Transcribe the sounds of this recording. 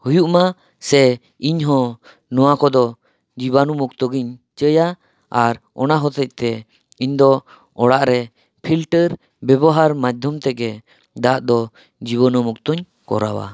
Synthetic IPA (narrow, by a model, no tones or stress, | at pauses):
hujuʔma | sɛ | iɲɦɔ̃ | nɔwakɔd̪ɔ | d͡ʒibanumukt̪ɔɡiɲt͡ʃəja | aɾ | ɔnaɦɔt̪ɛc̚t̪ɛ | iɲd̪ɔ | ɔɽaʔɾɛ | pʰilʈəɾ | bɛbɔɦaɾmad̪ʱjɔmt̪ɛɡɛ | d̪aʔd̪ɔ | d͡ʒiβɔnɔmuk̚t̪ɔɲ | kɔ̰ɾa̰wa̰